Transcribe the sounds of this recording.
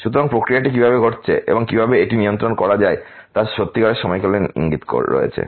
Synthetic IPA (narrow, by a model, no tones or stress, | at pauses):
ʃut̪oɾaŋpɾokɾijaʈikibʱabeɡʱoʈt͡ɕʰḛʔḛboŋkibʱabeeʈinijont̪ɾonkɔɾad͡ʑae | t̪aɾʃot̪ːikaɽeʃɔmɔjkoleḭŋɡit̪ko̰ɾo̰ḛt͡ɕʰḛ